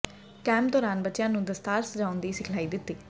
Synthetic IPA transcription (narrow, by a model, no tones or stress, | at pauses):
kɛ̃ːmpd̪ɔːɾaːnbətːɪjãːnũːd̪əst̪aːɾsəd͡ʒaːʊ̃nd̪iːsɪkʰlaːiːd̪ɪt̪ːiː